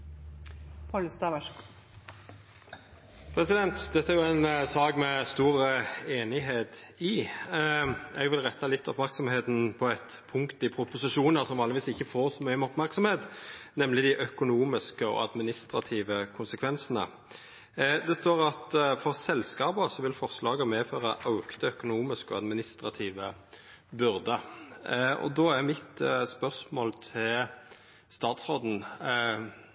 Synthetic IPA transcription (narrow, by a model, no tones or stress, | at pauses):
pʰɑlst̪ɑʋəʃ | pʰɾɛsɪd̪ɛnt̪d̪ɛt̪ːəæɾjʊænsɑːɡmɛst̪uːɾəeːnɪɦeːt̪ɪ | ɛɡʋɪlʁɛt̪ʰːɑlɪt̪ːɔpmæʁksɔmheːt̪n̩pʰɔɛt̪pʰʊŋkt̪ɪpʰɾʊpʊsɪʂuːnəʁsɔmʋɑːlɪʋiːsɪçːəfoːʁsɔmœʏəmɔpmæʁksɔmheːt̪nɛmlɪd̪ɪʔœkʊnuːmɪskəɔ̰ɑd̪mɪnɪst̪ɾɑt̪ʰiːʋəkʰʊnsəkʰʋɛnsənə̰ | d̪ɛst̪oːɾɑt̪fɔʁsɛlskɑːbəsɔʋɪlfɔʁslɑːɡəmeːføːɾəʔɑʉkt̪əœkʊnuːmɪskɔ̰ɑ̰d̪mɪnɪst̪ʁɑt̪ʰiːʋə | bʉɾd̪ə | ɔ̰d̪oːæʁmɪt̪spœʁsmoːlt̪ʰɪl | st̪ɑːt̪sʁoːd̪n̩